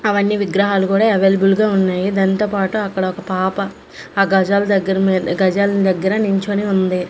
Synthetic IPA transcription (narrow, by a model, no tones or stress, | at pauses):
ɐʋɐnːiʋiɡɾɐɦaːlukuːɽaːeʋeːlɐbulɡaːunːaːjid̪ɐnt̪o̞ːpaːʈuɐkːɐɽɐɔkɐpaːpɐ | aːɡɐd͡ʒaːlɐd̪ɐɡːɐɾɐmːd̪ɐɡɐd͡ʒaːlɐnid̪ɐɡːɐɾɐniɲt͡ʃoːniund̪i